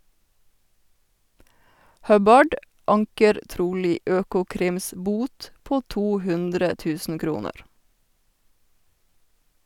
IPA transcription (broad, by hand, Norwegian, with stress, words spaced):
ˈhœbɑɖ ˈɑŋkəɾ ˈtɾuːliː ˈøːkʊˌkɾɪms ˈbuːt ˈpoː ˈtuː ˈhʉndɾə ˈtʉːsn̩ ˈkɾuːnəɾ